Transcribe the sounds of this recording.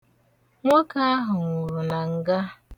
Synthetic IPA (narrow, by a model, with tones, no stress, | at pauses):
ŋʷɔ˦ka˦a˦ɦʊ˨ŋu˨ɾu˨na˨ŋ̩˨ɡa˦